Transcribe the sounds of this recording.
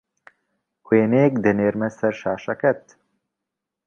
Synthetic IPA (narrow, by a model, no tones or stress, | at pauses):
kweːneːk̚d̪eneːɾmɛsɐɾʃaːʃɐkɛt̪